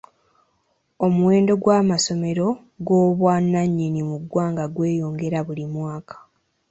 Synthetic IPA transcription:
o̞muwe̞ːndo̞ɡwaːmaso̞me̞ɾo̞ | ɡo̞ːβwanːaɲːinimuɡwaːŋɡaɡwe̞ːjo̞ːŋɡe̞ɾaβulimwaːkḁ

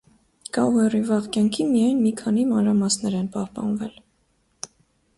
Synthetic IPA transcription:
kɑwɛrivɑʁkjɑŋkʰimijɑjnmikʰɑnimɑnɾɑmɑsnɛɾɛnpɑhpɑ̰nvɛl

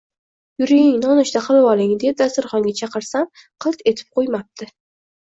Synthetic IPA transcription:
jʊɾɪjɪŋnɒnɪʃt̪aqʰɨlˠɪwɒlˠɪŋd̪ep̚d̪ast̪ʊɾχɒŋɡʲat͡ʃʰɑqɨɾsam | qʰɨlˠt̪e̞t̪ʰɪ̥p̚qʰojmap̚t̪ʰɪ

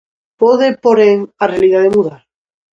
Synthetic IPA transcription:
poðepoɾeŋarealiðaðemuðaɾ

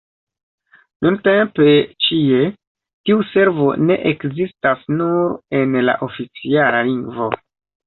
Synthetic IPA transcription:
nʔunte̞mpe̞t͡ʃie̞ | tiuse̞ɾvo̞̰ne̞̰ʔekzistasnuɾe̞nla̰ʔo̞fit͡sialaliŋɡvo̞̰

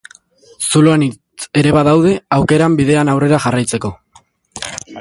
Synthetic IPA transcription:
suloani | e̞ɾe̞βaðawðe̞awke̞ɾambiðe̞anawre̞ɾaʝarajt͡se̞ko̞

